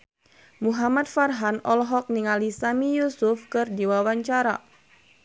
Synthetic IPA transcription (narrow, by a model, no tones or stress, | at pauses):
muɦamat̪̚farɦanɔlɦɔk̚niŋalisamijusʊfkɨrdiwawaɲt͡ʃaɾa